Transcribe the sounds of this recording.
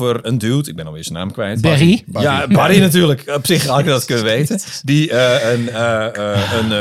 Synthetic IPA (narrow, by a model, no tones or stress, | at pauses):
vərəndylˠtɪɡ̚bɛnɔlˠɪəsəna̰ːmkʋɛjtbɛijabadinatyːrləkɔpsɪxalkdɔtkønəʋeːtədiəənəən